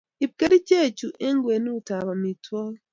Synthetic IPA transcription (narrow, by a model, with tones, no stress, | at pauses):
i˨b̚ɡe˦ɾi˦ce˦˨cu˨ʔe˦ŋɡwe˨nu˦ta˨βa˨mi˨twa˦we